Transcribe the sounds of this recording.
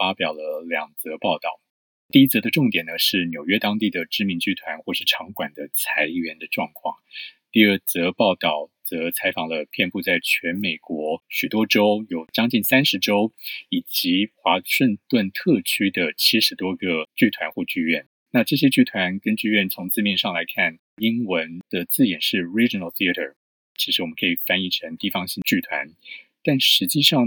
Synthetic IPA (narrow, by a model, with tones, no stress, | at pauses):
fa˥pjɑ˨˩ʊlə˦ljɑ˨˩ŋt͡sɤ˧˥pɑ˥˧ʊt̪ɑ˥˩ʊ | t̪i˥˩˧i˥t͡sɤ˧˥d̪ə˧ʈ͡ʂʊ˥˩ŋt̪jɛ˨˩nə˦ʂɻ̩˥˩njo˨˩ʊɥɛ˥t̪ɑ˥ŋt̪i˥˩d̪ə˩ʈ͡ʂɻ̩˥mi˧˥nt͡ɕy˥t̪ʰwa˧˥nxwɔ˥˧ʂɻ̩˥˩ʈ͡ʂʰɑ˧˥ŋkwa˨˩nd̪ə˦t͡sʰa˧˥ɪ˧˩ɥɛ˧˥nd̪ə˧ʈ͡ʂwɑ˥˧ŋkʰwɑ̰˥˩ŋt̪i˥˧ə˞˥˩t͡sɤ˧˥pɑ˥˧ʊt̪ɑ˥˩ʊt͡sɤ˧˥t͡sʰa˧˥ɪfɑ˨˩ŋlə˦pʰjɛ˥˧npu˥˧t͡sa˥˩ɪt͡ɕʰɥɛ˧˥nme˨˩ɪkwɔ˧˥ɕy˨˩t̪wɔ˥ʈ͡ʂo˥ʊjo˨˩ʊt͡ɕjɑ˥ŋt͡ɕi˥˩nsa˥nʂɻ̩˧˥ʈ͡ʂo˥ʊi˨˩t͡ɕi˧˥xwa˧˥ʂə˥˧ŋt̪wə˥˧nt̪ʰɤ˥˩t͡ɕʰy˥d̪ə˨t͡ɕʰi˥ʂɻ̩˧˥t̪wɔ˥ɡə˧t͡ɕy˥˩t̪ʰwa˧˥nxwɔ˥˧t͡ɕy˥˧ɥɛ˥˩n | na˥˧ʈ͡ʂɤ˥˩ɕ̬jɛ˥t͡ɕy˥˩t̪ʰwa˧˥nkə˥nt͡ɕy˥˧ɥɛ˥˩nt͡sʰʊ˧˥ŋt͡sɹ̩˥˧mjɛ˥˧nʂɑ˥˩ŋla˧˥ɪkʰa˥˩n | i˥ŋwə˧˦˥nd̪̥ə˧t͡sɹ̩˥˩jɛ˨˩nʂɻ̩˥˩ɹi˥ʈ͡ʂi˨˩nə˥˩lθi˥ə˧ɾʰə̰˨˩ | t͡ɕʰi˧˥ʂɻ̩˧˥wɔ˨˩mə˦ŋkʰi˨˩fa˥ni˥˩ʈ͡ʂʰə˧˥ŋt̪i˥˩fɑ˥ŋɕi˥˧t͡ɕy˥˩t̪ʰwa̰˧˥nt̪a˥˩nʂɻ̩˧˥t͡ɕi˥˧ʂɑ˥˩ŋ